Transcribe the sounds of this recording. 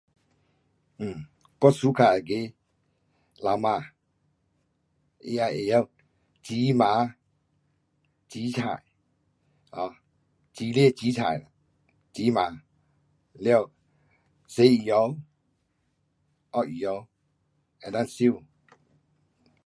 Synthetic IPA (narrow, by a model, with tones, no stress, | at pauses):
m̩˨ | kɔ˦˨su˦kʰa˨a˨ke˧˦ | la˨˦wma˧˨ | ḛ˧a˧˨je˨jɔ˦˨ | t͡ɕi˨˦mã˨˦ | t͡ɕi˨˦t͡ɕʰa̰˨j | ɔ˧˨ | t͡ɕi˨˦lɛ˥˦˨t͡ɕi˨˦t͡ɕʰa̰˨ja˨ | t͡ɕi˨˦ma˨˦ | ljɔ˦˧˨w | se˨˦i˨jɔ˧˦w | ʔɔ˦˨ʔi˨jɔ˧˦w | ɛ˨da˦˥˨nsi˦˨